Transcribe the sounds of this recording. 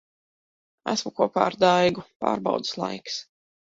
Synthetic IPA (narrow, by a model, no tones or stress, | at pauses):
æ̰smukuɔpa̰ːɾd̪ajɡupa̰ːɾbaɑ̰wd̪ɨ̥slˠa̰jks